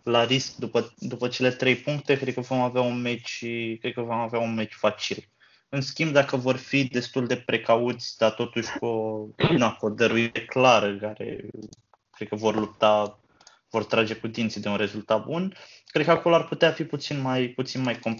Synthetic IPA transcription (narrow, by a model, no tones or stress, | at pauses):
laɾisk̚d̪upəd̪upət͡ʃe̞le̞t̪ɾe̞jpuŋk̚t̪e̞kɾed̪̚kəvo̞maveaunmet͡ʃʲkɾed̪̚kəvo̞maveaunme̞t͡ʃʲfat͡ʃil | ɨnskʲimb̚d̪akəvo̞rfid̪e̞st̪uld̪e̞pɾʔe̞kaut̪sʲd̪at̪o̞t̪uʃʲkonakod̪əɾuiɾeklaɾəkaɾḛ | kɾe̞d̪̚kəvo̞rlup̚t̪a | vo̞rt̪ɾad͡ʒe̞kud̪int̪sid̪eunɾe̞zult̪at̪̚bun | kɾed̪̚kəako̞loarput̪eafiput̪sinmajput̪sinmajko̞mp